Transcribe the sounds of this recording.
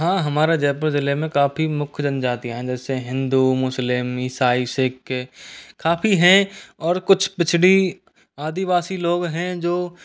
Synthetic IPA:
ɦãːɦɐmaːɾed͡ʒɛːpəɾzɪlemẽkaːpimʊkʰd͡ʒɐnd͡ʒaːt̪iɦɛ̃d͡ʒɛːseɦɪ̃nd̪umʊslɪmɪsaːisɪkː | kaːpʰiɦɛ̃ɔːɾkʊt͡ʃʰpɪt͡ʃʰɽi | aːd̪iʋaːsiloːɡɦɛ̃d͡ʒoː

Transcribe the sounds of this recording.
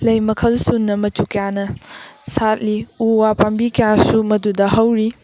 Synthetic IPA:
lɐjmɐkʰɐlsunːɐmɐt͡ʃukɐjanɐsat̚liuwapambikɐjasumɐdudɐɦɐwɾi

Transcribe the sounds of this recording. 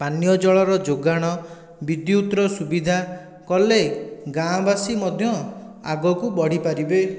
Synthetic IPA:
panijɔd͡ʒɔɭɔɾɔd͡ʒoɡaɽ̃ɔ | bid̪jiut̪ɾɔsubid̪ʱa | kɔleɡãbasimɔd̪ʱjɔ | a̰ɡɔkubɔɽ̤ipaɾibe

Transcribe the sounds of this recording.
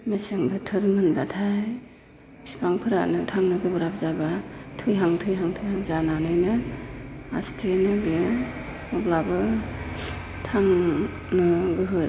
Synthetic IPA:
meseŋdɯtʰɯɾɯŋɯndatʰajj | pʰipʰaŋpʰɯɾa̰nɯtʰaŋnɯɡɯbɯɾap̚ʰzabatʰɯjɦaŋtʰɯjɦaŋtʰɯjɦaŋzananɯjnɯ | a̰stʰenɯbe | ɔblabɯ | tʰaŋ | nɯɡɯɦɯ

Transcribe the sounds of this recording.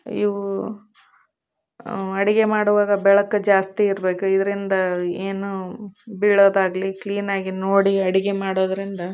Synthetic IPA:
ḭʋu | ɐɽiɡemaːɽuʋaːɡɐbɛɭɐkːɐd͡ʒaːst̪iːɾɐbe̞ːkuid̪ɐɾind̪ɐeːnubiɭːoːd̪aːɡlikliːnaːɡinoːɽiɐɽiɡemaːɽoːd̪ɐɾind̪ɐ

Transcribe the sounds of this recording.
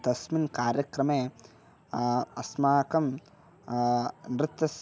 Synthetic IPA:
t̪ɐsminkaːɾjɐkɾɐmeː | ɐsmaːkɐm | nɾɨt̪ːɐs

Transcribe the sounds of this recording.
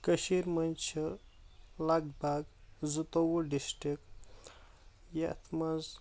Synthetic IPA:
kəʃiɾmɐnt͡ʃʰɐ | laɡbʱaɡzut̪owuɖisʈik | ja̰t̪ʰmaz

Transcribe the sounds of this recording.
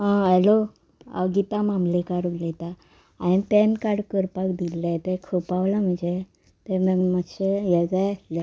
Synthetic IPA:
ɦãəlo | ə̰ɡit̪amãmlekaɾuɡlet̪a | anpenkaɽkəɾpakd̪ilːat̪ekʰəpaʋlam̤əɳd͡ze | t̪eməɡməɕejɛd͡zajasla

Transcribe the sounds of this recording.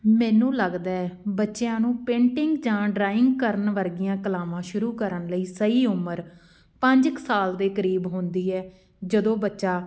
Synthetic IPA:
mɛ̃ːnũːləɡd̪aːɛbətːʃejãːnũːpẽːɳʈɪŋɡd͡ʒãːɖɾaːɪ̃ŋɡkəɾənʋəɾɡɪjãːkəlaːʋãːʃʊɾuːkəɾənləiːsəiːʊməɾ | pə̃ɲd͡ʒəksaːld̪eːkəɾiːbɦõːnd̪iːɛː | d͡ʒəd̪õːbətːʃaː

